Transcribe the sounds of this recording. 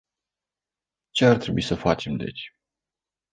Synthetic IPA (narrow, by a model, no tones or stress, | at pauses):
t͡ʃe̞art̪ɾe̞bṵisəfat͡ʃe̞md̪e̞̰t͡ʃʲ